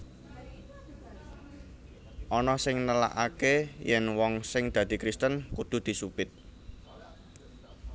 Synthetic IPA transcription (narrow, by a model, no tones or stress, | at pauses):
ʔɔnɔsɪŋnəla̰ʔakejɛnwɔŋsɪŋd̪̥ä̤d̪̥i̤kɾist̪ənkud̪̥ṳd̪̥i̤supɪt̪̚